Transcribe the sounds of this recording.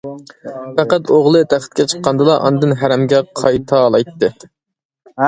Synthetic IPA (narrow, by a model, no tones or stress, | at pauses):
pæqæt̪oʁlˠɨt̪ʰæχt̪̚kʲɛt͡ʃʰə̥qːɑnd̪ɨlˠɑʔɑ̰nɨd̪ɨnɦæɾɛmɡʲɛqʰɑjt̪ʰɑlˠɑjt̪ːɨ